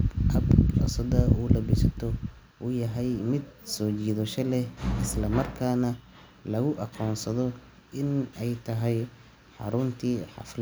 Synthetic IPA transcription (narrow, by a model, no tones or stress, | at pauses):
ʔɐbɐ̰sɐd̪ɐʔuːlɐbɪsɐt̪ʰɔ | ʔuːjɐɦɛjmɪd̪̚sɔːt͡ʃiːðɔʃɐlɛhʔɪslɐmɐrkʰaːnɐ | lɐɣʊʔɑqɔːnsɐðɔ | ɪnɛjt̪ʰɐɦɛj | ħɑ̰ɾʊnt̪ʰiːħɑ̰fl